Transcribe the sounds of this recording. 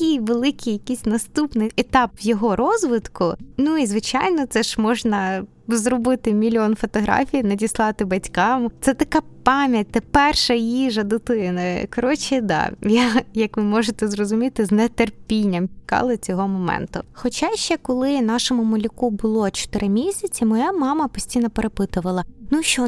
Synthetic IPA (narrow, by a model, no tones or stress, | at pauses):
kijʋelˠɪkɪjɐkisʲnɐst̪upnɪjɛt̪ɑpʋjɔɦɔɾɔzʋɪt̪kʊnuizʋɪt͡ʃɑjnɔt̪sɛʒmɔʒnɐ | zɾɔbɪt̪ɪmʲilʲɔnfɔt̪ɔɦɾɑ̰fʲijnɐdʲislˠɑt̪ɪbɐtʲkɑmt̪sɛt̪ɐkɑpɑmʲjɐt̚ʲt̪ɐpɛrʃɐjiʒɐd̪ʊt̪ɪnɐkɔɾɔt͡ʃɪd̪ɑ̰jajɐkʋɪmɔʒɪt̪ɛzrɔzʊmʲit̪ɪznɛt̪erpʲinʲːɐmt͡ʃʲɪ̥kɑ̰lˠɪt͡sʲɔɦɔmɔmɛ̰nt̪ʊxɔt͡ʃaʃt͡ʃɛkɔlˠɪnɑʃɔmʊmɐlʲikubʊlˠɔt͡ʃɔ̥t̪ɪɾɪmʲisʲɐt͡sʲimɔjamɑmɐpɔsʲtʲijnɔpeɾepɪt̪ʊʋɐlˠɐnuʃt͡ʃɔ